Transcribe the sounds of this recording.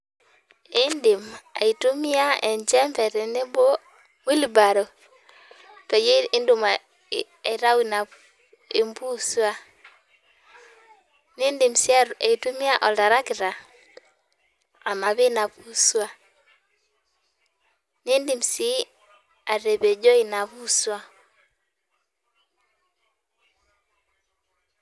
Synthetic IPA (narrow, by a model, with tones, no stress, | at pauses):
e˦ndi˨ma̰˨i˨tu˦mi˦a˦ɛ˨ɲd͡ʒɛ˦mbɛ˨ɾɛ˨ne˦bo˦ | mwi˦li˨ba˨ɾo˨ | pe˨je˦i˦ndu˨ma | e˨ɾa˦wi˨na˨ | e˦mbu˦swa˦ | ni˦ndi˨msi˦a˦e˨tu˦mi˦a˦ʔɔ˨lda˨ɾa˦kɪ˨ɾa˨ | a˨ma˨βe˦na˨pu˦swa˦ | ne˦ndi˨m̩si˦ | a˨ɾe˨βe˨d͡ʒɔ˦i˨na˨βu˦swa˦